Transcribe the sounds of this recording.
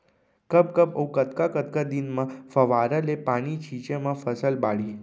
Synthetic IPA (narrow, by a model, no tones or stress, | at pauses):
kəp̚kəpə̰ũkət̪kakət̪kad̪inmãfəʋaɾəlepaɽ̃it͡ʃʰit͡ʃemãfəsəlbaɭi